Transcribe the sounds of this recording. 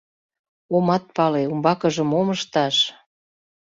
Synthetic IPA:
omɑt̪̚pɑleumbɑkəʒəmoməʃt̪ɑʃ

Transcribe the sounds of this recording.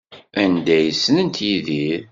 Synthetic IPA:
ænd̪æjəsːənənt̪jiðiɾ

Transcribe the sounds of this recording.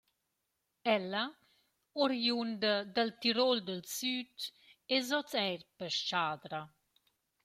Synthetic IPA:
ɛlːa | ɔɾjund̪əd̪əlt̪iɾold̪əlsyːt̪ | ezɔt͡sɛɾpəʃt͡ʃaːd̪ɾa

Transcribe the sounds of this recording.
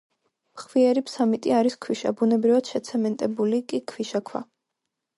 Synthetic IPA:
mχwiɛɾipsamit̪ʼiaɾiskʰwiʃa̰bunɛbɾivad̪̥ʃɛt̪sʰɛmɛnt̪ʼɛbulikʼikʰwiʃakʰwa̰

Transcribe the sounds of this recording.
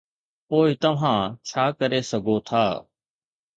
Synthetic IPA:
poːɪt̪ɐʋ̤ãt͡ɕʰaːkɐɾesɐɡʱot̪ʰaː

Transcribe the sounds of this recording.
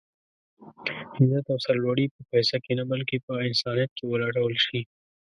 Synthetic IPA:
hɪmzat̪awsaɾlwaɽipəpɛsakenabəlkepəɪnsɑnijat̪̚kewəlɑɽawəlʃi

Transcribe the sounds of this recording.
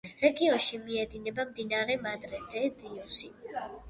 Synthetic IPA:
ɾɛɡiɔnʃimiɛd̪inɛbamd̪inaɾɛmad̪ɾɛd̪ɛd̪iɔsi

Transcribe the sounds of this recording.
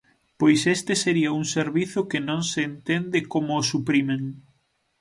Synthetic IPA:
pojsest̪eseɾiauŋseɾβiθʊkenõŋseːnt̪end̪ɪkomʊːsupɾimeŋ

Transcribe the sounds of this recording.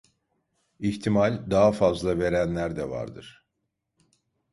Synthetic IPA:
içt̪ʰimalʲd̪aɦafazlˠave̞ɾænlʲæɾd̪ɛva̰ɾd̪ɯ̰ɾ̥

